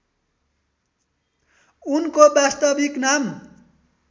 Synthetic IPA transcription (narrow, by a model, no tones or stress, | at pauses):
unkobast̪ʌbiknam